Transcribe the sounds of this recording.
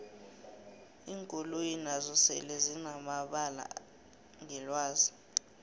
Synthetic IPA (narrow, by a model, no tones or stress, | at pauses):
iːŋkʼolujinazɔsɛ̰lezinamaɓala̰ | ŋɛlwaːzi